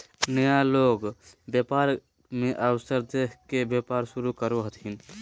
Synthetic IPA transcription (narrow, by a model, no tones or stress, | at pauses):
nəjaloɡbjəpaɾ | meʔəwsəɾd̪ekʰkebjepaɾsuɾukəɾuɦət̪ɦin